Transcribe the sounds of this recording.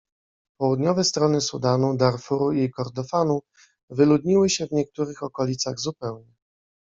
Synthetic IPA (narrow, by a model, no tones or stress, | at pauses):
pɔwud̪ɲɔvɛst̪ɾɔnɘsud̪anud̪aɾfuɾuikɔɾd̪ɔfanu | vɘlud̪ɲiwɘɕɛvɲɛk̚t̪uɾɘxɔkɔlʲit̪saɣzupɛwɲɛ